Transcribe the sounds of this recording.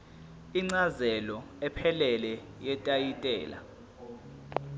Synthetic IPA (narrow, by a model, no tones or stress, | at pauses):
iŋ͡ǀazɛlɔ | ɛpʰɛlɛlɛ | jɛtʼajitʼɛ̰ːla̰